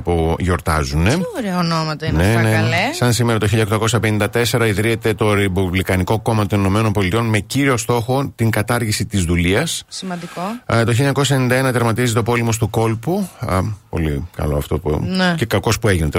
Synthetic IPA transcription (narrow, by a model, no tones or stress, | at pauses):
poʝo̞ɾt̪ɐzuneoɾonomɐt̪ɐinenelesɐnsimeɾɐt̪oçiʎɐkt̪ɐko̞sɐpe̞nind̪ɐt̪e̞se̞ɾɐiðɾiet̪e̞t̪o̞ɾebuvlikɐniko̞ko̞mɐt̪onino̞me̞no̞nbo̞lit̪io̞nme̞ciɾio̞st̪o̞xo̞t̪iŋkɐt̪ɐɾʝisit̪izðuliɐssimɐnd̪ikot̪o̞çiliɲɐkos̬ɐenind̪ɐenɐt̪eɾmɐt̪izit̪eopo̞limo̞st̪uko̞lpupo̞̰lḭkɐ̰lo̞ɐ̰ft̪o̞pṵnce̞kɐko̞spue̞ʝinet̪e